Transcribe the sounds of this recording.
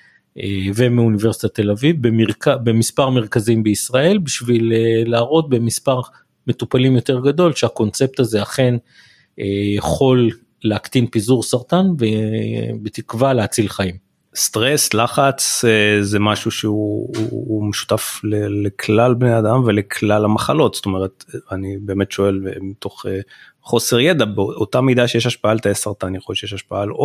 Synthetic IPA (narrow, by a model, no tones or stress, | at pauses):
evemiunivesit̪at̪e̞lavivbemiʁkabemispaʁmeʁkazimbeisʁae̞lbiʃvileːaːʁo̞t̪̚be̞mispaʁ | me̞t̪upalimjo̞t̪e̞ʁɡad̪o̞lʃeako̞nt͡se̞p̚t̪azeaχe̞n | ejaχo̞lː | eakt̪inpizuʁsaʁt̪anvebet̪ikvaleat͡silχaim | st̪ʁe̞slaχat͡sezemaʃuʃeṵː | meʃu̥t̪aflelekʰlalbnead̪amvelekʰlalamaχalo̞tsto̞me̞ʁet̪anibe̞ːme̞tʃo̞e̞lmit̪o̞χe | χo̞se̞ʁjed̪abeootamid̪aʃejeʃaʃpaalt̪ajesaʁt̪anjeχolʃejeʃaʃpaalo